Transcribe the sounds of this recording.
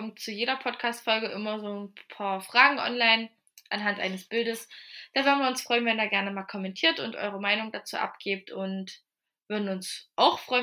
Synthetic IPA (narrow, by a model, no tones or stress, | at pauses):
ɔmt͡sujeːɾɐpʰɔtkʰaːstfɔlɡəʔɪmɐzoːnpʰaːɐfʁ̥aːɡŋ̩ʔɔ̰nlaɪn | ʔanɦantʔa̰ɪnəsb̥ɪldəsd̥aːvʏɐdn̩viːɐʊnsfʁ̥ɔʏənvɛniːɐɡɛɐnəmaːlkʰɔmɛntʰiːɐtʊntʔɔ̰ʏʁ̞əmaɪnʊŋdat͡sṵːʔa̰pɡ̥eːp̚tʰʊnt | v̥ʏɐdn̩ʊnsʔaʊxfʁ̥ɔʏ